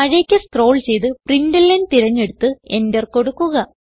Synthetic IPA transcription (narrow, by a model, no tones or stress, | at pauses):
ɐɻeːkʲːɐskro̞ːɭt͡ɕe̞jt̪ɨbrindɐlːɐndt̪iɾɐɲːe̞ɽut̪ːɨe̞ndɐrko̞ɽukːuɣɐ